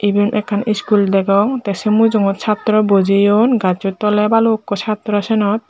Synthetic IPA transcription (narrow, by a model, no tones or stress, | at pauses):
ibenʔɛkʰːaniskuld̪ɛɡɔŋt̪ɛsemud͡ʑoŋɔt̪t͡ɕʰat̪ːɾɔbod͡ʑijonɡat͡ɕot̪ɔlebalokːɔt͡ɕʰat̪ːɾɔʃenɔt̪̚